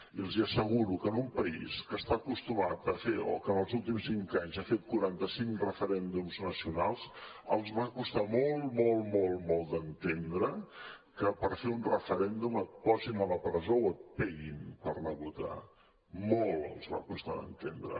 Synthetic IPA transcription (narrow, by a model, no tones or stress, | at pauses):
iəlˠziəsəɣ̞uɾukənumpəiskəst̪akust̪umat̪̚d̪əfeo̰kənəlˠzulˠt̪̬imsiŋkaɲzafet̪̚kuɾant̪əsiŋkrəfəɾɛnd̪umznəsiunalˠz | əlˠzβakust̪amɔlˠmɔlˠmɔlˠmɔlˠd̪ənt̪end̪ɾə | kəpəɾfeunrəfəɾɛnd̪umət̪̚pɔzinələpɾəzowət̪̚pɛɣinpəɾnəβut̪a̰ | mɔlˠə̰lˠzβa̰kust̪aðə̰nt̪end̪ɾə̰